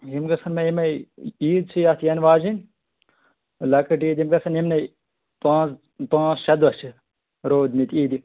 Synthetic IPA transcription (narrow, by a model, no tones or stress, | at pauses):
ɦimɡɐsɐnmɐimɐiːd̪̚t͡ʃʰijɐt̪ʰjɐnʋaːd͡ʒin | lɐkɐʈiːd̪imɡɐsɐnimnɐ | pãːs | pãːt͡sʃɐd̪ʋɐt͡ʃʰi | ɾoːd̪mit̪iːd̪i